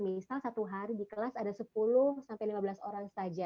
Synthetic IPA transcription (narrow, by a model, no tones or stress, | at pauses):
misalsat̪uɦaɾidikəlasadasəp̚uluhsampajlimabəlasoɾaŋst̪ad͡ʒa